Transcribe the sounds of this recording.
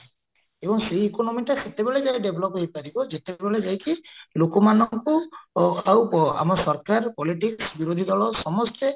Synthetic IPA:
ebɔŋsejekonɔmiʈaset̪ebeɭed͡ʒajɖebʱɔlɔpɦepaɾibɔd͡ʒet̪ebeɭed͡ʒajkilokɔmanɔŋku | awa̰mɔsɔɾkaɾpɔliʈiksbiɾod̪ʱid̪ɔɭɔsɔmɔst̪e

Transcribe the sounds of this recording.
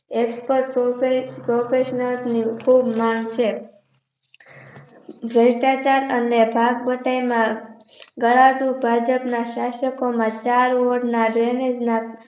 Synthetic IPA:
ekspəɾʈpoepɾofʰeʃnəlsnikʰubmãŋɡt͡ʃʰe | bʱɾəʃʈat͡ʃaɾənebʱaɡbəʈajmã | ɡəɭaɖubʱad͡ʒəpnaʃaʃəkomãt͡ʃaɾʋoɖnaɖɾened͡ʒna

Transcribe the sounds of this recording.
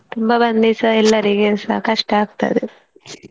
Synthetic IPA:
t̪umbɐbɐnd̪isɐɛlːɐɾiɡesɐkɐʂʈɐaːɡ̚t̪ɐ̰d̪e

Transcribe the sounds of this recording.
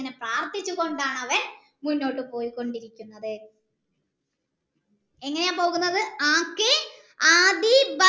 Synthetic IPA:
ɐnepraːrt̪it͡ɕːuɣo̞ɳɖaːɳɐʋe | munːo̞ːʈːɨpo̞ːjikːo̞ɳɖiɾikʲːunːɐðɨ | e̞ŋːɐnejaːmpo̞ːɣunːɐðɨaːkːɨ | aːd̪ibɐ

